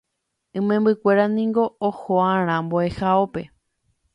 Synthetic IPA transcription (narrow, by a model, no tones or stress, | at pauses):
ɨ̃mẽmbɨkʷe̞ɾanĩŋɡo̞ːhoãɾ̃ãmboehaope